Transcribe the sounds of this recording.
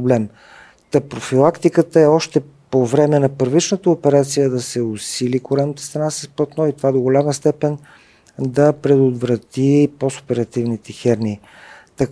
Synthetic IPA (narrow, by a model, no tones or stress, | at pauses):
blɛm | t̪əpɾofilˠakt̪ikət̪əɛɔʃt̪ɛ | povɾɛmɛnɐpəɾvit͡ʃnət̪əopɛɾat̪sijəd̪ɐsɛosilikoɾɛnət̪əst̪ɾɐnasə̥spət̪nɔit̪ovad̪oɡolʲaməst̪ɛpɛn | d̪ɐpɾɛd̪od̪vɾɐt̪iposo̥pɛɾɐt̪ivnit̪ɛxɛɾni | t̪ɐ